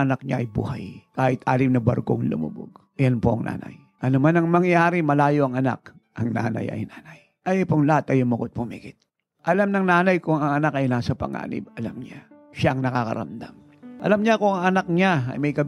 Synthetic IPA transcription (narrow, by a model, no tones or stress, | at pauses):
ɐnak̚ɲaʔɐjbṵːhajkaːhɪt̪̚ʔaːlɪmnɐbɐ̰ɾkoŋlʊ̰mṵbo̰ɡ | janpoʔɐŋnʔa̰ːna̰j | ʔɐnomanɐŋmɐŋjaːɾɪmɐlaːjoʔɐŋɐna̰k̚ | ʔɐŋna̰ːnɐ̰jʔɐ̰jnaːnaj | ʔɐjɐpoŋlɐhat̪ɐjʊmmʊkot̪̚bʊmḭːɡɪt̪̚ | ʔɐlamnɐŋnaːnɐjkʊŋɐŋɐnakɐjnaːsɐpɐ̰ŋʔa̰ːnɪ̰bɐlamɲa | ʃaʔɐŋnɐkakɐ̰ɾɐ̰md̪a̰m | ʔɐ̰lamɲakʊɐŋɐnak̚ɲaɐ̰jmɐjkɐ